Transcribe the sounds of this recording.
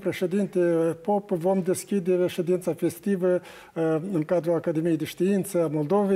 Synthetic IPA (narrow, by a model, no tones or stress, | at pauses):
pɾeʃed̪int̪epopvomd̪eskʲid̪eɾeʃed̪int̪safest̪ivə | ɨŋkad̪ɾuakad̪emijejd̪eʃt̪iint̪səamolˠd̪ove